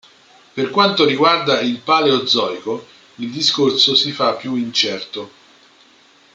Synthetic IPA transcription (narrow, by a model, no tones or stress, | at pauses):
perkwant̪oɾiɡward̪ailpaːleod̪zːɔjko | ild̪iskorsosifapːjuint͡ʃɛrt̪o